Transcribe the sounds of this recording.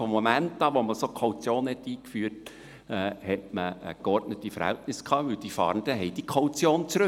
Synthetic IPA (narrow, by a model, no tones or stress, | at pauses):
fɔmːomæntːɑːʋoməsokʰowt͡sjoːnhɛtiːkfyːt | ɛːhɛtməə̰kɔrdnətifəɾhæ̰ltnɪskʰɑːʋɵld̥ifɑ̰ːɾənd̥əɦɛɪd̥ikʰowt͡sjoːnt͡sɾɵ